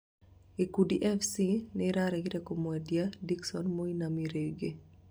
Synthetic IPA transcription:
ekudiʔɛfsinɪɾaɾɛɡɪɾekomwɛdjadiksɔnmoinamiɾeɡe

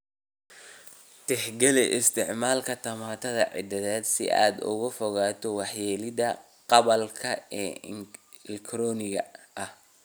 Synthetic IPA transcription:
t̪ʰɪħɡɛlɛʔɪst̪ʰɪʕmaːlkʰɐt̪ʰɐmaːt̪ʰɐðɐʕɪ̰d̪ɐðɛːd̪sɪ̰ʔa̰ːd̪ʊ̰ɣʊfɔɣaːt̪ʰɔwɑħjɛːlɪd̪ɐ | qɑβɐlkʰɐɛː | lkɾɔːnɪɣɐ | ʔɐh

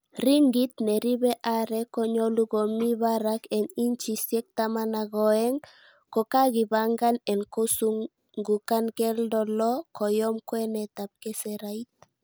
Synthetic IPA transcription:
riŋɡit̪nɛɾiβɛʔaɾɛkɔɲɔluɡomiβaɾakɛniɲt͡ʃisjɛk̚t̪amanaɡɔɛŋ | kokaɡibaŋɡanɛnkosuŋ | ŋɡukankɛldɔlɔkɔjɔmkwɛnɛt̪ap̚kɛsɛɾait̪̚

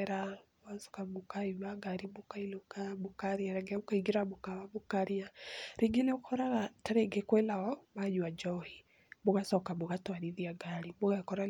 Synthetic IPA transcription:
ɾaboɣasɔ̥kamokaiaɡaɾimokailokamokaɾiaɾɛɡɛokaiɡiɾabokaβaβokaɾiaɾiŋɡeneokʰɔɾaɣataɾeɡekwelaɣɔmaɲwad͡ʒɔhi | boɣasɔkaboɣatwaɾiðiaɡaɾiboɣakɔɾa

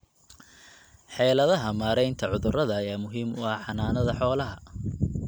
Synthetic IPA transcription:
ħɛːlɐðɐɦɐmaːɾɛjnt̪ʰɐʕʊðʊrɐðɐjaːmʊɦiːmʊɐħɑnaːnɐðɐħɔːlɐɦɐ

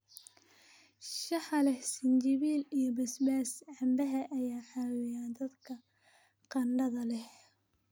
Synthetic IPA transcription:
ʃɑħɑlɛhsɪnt͡ʃɪβiːlijɔbɐsbaːsʕɑmbɐɦɐʔɐjaːħɑwɪjaːnd̪ɐd̪kʰɐ | qɑɳɖɐðɐlɛh

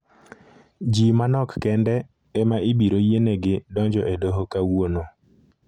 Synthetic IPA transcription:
d͡ʒimanɔkːɛndɛ | ɛmaʔibiɾojeneɡɪdɔɲd͡ʒɔʔedoɦokawwono

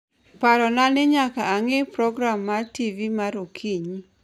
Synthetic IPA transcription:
paɾɔnanɪɲakaːŋɪpɾɔɡɾamːativimaɾokʰiɲi

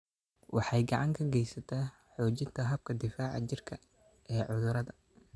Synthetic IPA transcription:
wɑħɑjɡɑʕɑŋkʰɐɡɛjsɐt̪ʰɐː | ħɔːt͡ʃɪnt̪ʰɐɦɐb̚kʰɐd̪ɪfaːʕɑ̰t͡ʃɪrkʰɐ | ɛːʕʊðʊɾɐðɐ

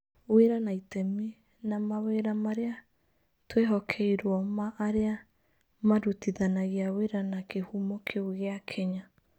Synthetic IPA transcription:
weɾanaitɛme | namaweɾamaɾea | tweɦɔkʰɛiɾwɔmaʔːɾea | madutiðanaɣiaweɾanakehumɔkʰeuɣeakʰɛɲa

